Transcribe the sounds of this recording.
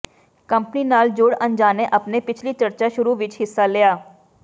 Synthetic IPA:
kəmpniːnaːld͡ʒʊːɽə̃nd͡ʒaːneʔəpneːpɪt͡ʃʰliːt͡ʃəɾt͡ʃaːʃʊɾuːʋɪt͡ʃɦɪsːaːleːaː

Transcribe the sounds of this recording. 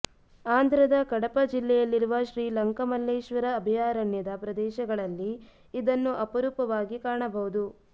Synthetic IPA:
aːnd̪ʱɾɐd̪ɐkɐɽɐpɐd͡ʒilːɛjɐlːiɾuʋɐʃɾiːlɐŋkɐmɐlːeːʃʋɐɾɐːbʱijaːɾɐɳjɐd̪ɐpɾɐd̪ɛːʃɐɡɐɭɐlːiː | d̪ɐnːuʔɐpɐɾuːpɐʋaːɡikaːɐɳɐbɐɦud̪u

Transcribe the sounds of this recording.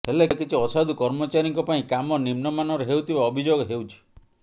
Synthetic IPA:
ɦelekit͡ʃʰiɔsad̪ukɔɾmɔt͡ʃaɾiŋkɔpaĩkamɔnimnɔmanɔɾeɦewt̪ʰibaɔbʱid͡ʒoɡɔɦewt͡ʃʰi̥

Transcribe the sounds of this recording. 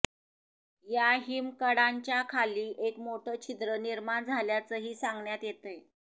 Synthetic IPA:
jaɦimkəɽaɲt͡ɕjakʰaliːʔekmoʈʰət͡ɕʰit̪ɾəniɾmaɳd͡zʱaljat͡səɦiːsaŋɡɳjat̪jet̪əj

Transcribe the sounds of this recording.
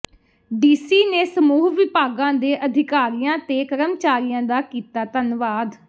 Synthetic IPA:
ɖiːsiːneːsəmuːɦʋɪpaːɡãːd̪eːʔəd̪ʱɪkaːɾijãːt̪eːkəɾəmt͡ʃaːɾijãːd̪aːkiːt̪aːt̪ənʋaːd̪

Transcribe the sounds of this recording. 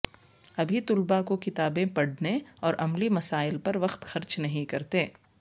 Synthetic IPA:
ɐbʱit̪ʊlbakokɪt̪aːbẽpɐɽneɔːɾʔɐmlimɐsaːɪlpɐɾʋɐxt̪xɐɾt͡ʃnɐɦĩkɐɾt̪eː

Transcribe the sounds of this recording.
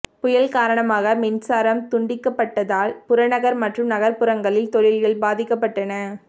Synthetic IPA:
pʊjɐlkaːɾɐɳɐmaːɣɐmɪnsaːɾɐmt̪ʊɳɖɪkːɐpːɐʈːɐðaːlpʊɾɐnɐɣɐɾmɐʈrɯmnɐɣɐɾpɯɾɐŋɡɐɭɪlt̪ɔɻɪlɣɐɭbaːðɪkːɐp̬ːɐʈːɐnɐ

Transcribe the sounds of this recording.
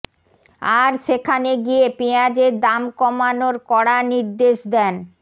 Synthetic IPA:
aɾʃekʰaneɡiepiad͡ʑeɾd̪amkɔmanoɾkɔɽaniɾd̪eʃd̪ɛn

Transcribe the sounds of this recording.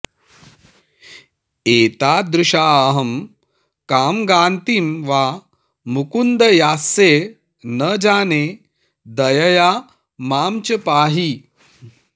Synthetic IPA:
eːt̪aːd̪ɾuʂaːɐɦɐm | kaːmɡaːnt̪iːmʋaː | mukund̪ɐjaːse | nɐd͡ʒaːne | d̪ɐjɐjaː | maːmt͡ʃɐpaːɦi

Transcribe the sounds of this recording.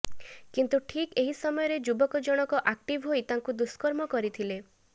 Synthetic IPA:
kint̪uʈʰikeɦisɔmɔjɔɾed͡ʒubɔkɔd͡ʒɔɽ̃ɔkɔʔak̚ʈibʱɦoit̪aŋkud̪uskɔɾmɔkɔɾit̪ʰile

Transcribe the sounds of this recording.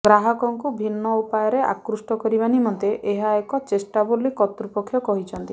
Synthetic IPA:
ɡɾaɦɔkɔŋkubʱinːɔupajɔɾeʔa̰kɾusʈɔkɔɾibanimɔnt̪eʔeɦaekɔt͡ʃesʈabolikɔt̪ɾupɔkʰːjɔkɔɦit͡ʃʰɔnt̪i

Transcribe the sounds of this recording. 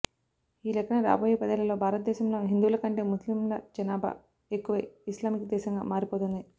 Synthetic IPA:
iːlɛkːɐɳɐɾa̰ːboːjepɐd̪ɐlɐlo̞ːbʱaːɾɐt̪̚d̪ɛːɕɐmlo̞ːɦind̪uːlɐkɐɳʈeːmuslimlɐd͡ʒɐnaːbʱɐ̰ | ekːuʋɐislaːmikɐd̪ɛːʃɐŋɡa̰ːmaːɾipoːt̪und̪i

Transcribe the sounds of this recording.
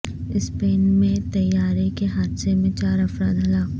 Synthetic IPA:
ɪspeːnmẽt̪ɐjːaːɾekeɦaːd̪semẽt͡ʃaːɾɐfɾaːd̪ɦɐlaːk

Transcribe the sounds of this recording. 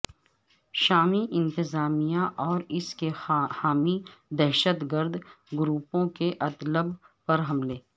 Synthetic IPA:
ʃaːmiʔɪ̃nt̪ɪzaːmijãʔɔːɾɪskexaːmid̪ɛɦʃət̪ɡəɾd̪ʱɡʊɾuːpõkeʔɐt̪ləbpɐɾɦɐmleː

